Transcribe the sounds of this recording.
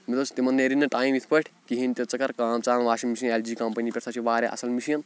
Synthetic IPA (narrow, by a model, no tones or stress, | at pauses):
mit̪ust̪imɐnːeɾinɐʈaːjmit̪ʰpɐʈʰkiɦint̪et͡sɐkɐɾkaːmt͡saːnʋaːʃimisɐneld͡ʒiːkɐmpɐnipʲeɾsat͡ʃʰiʋaːɾeʔɐ̰sɐlmisijɐn